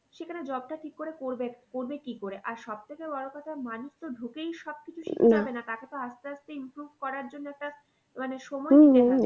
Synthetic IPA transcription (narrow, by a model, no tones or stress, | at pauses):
ʃekʰaned͡ʑɔbʈaʈʰikːoɾekoɾbekoɾbekikoɾeʔaɾʃɔb̚t̪ʰekebɔɽokɔt̪ʰamanust̪oɖʱukejʃɔb̚kit͡ɕʰuʃiabenat̪aket̪oast̪east̪eimpɾubʱkɔɾaɾd͡ʑonːoɛk̚ʈa | maneʃomɔie